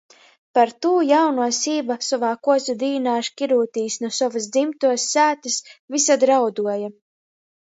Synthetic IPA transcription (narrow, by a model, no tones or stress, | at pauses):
paɾt̪uːjawnuɔsiːbasɔvaːkuɔzʲud̪iːnaːʃkʲiɾuːt̪iːsnuɔsɔvas̬d̪zimt̪uɔsːæːt̪asvisad̪ɾawd̪uɔja